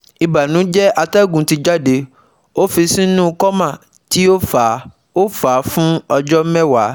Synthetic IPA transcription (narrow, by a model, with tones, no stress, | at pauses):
i˨ba˨nũ˨˦d͡ʒɛ˦ʔa˧tɛ˦˨ɡũ˨˦ti˧d͡ʒa˦de˧ | o˦fi˧sĩ˦nũ˦˧kɔ˦mã˦˨ | ti˦o˦fa˨ | o˦fa˨˦fũ˦ɔ˧d͡ʒɔ˦m̩˦mɛ̃˦˨wa˨˦